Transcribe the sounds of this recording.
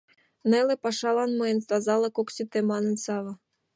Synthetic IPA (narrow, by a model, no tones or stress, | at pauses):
nelĕpɑʃɑlɑnmɤjenst̪ɑzɑlˠɤkoksit̪emɑnɤ̆nsɑβɤ̆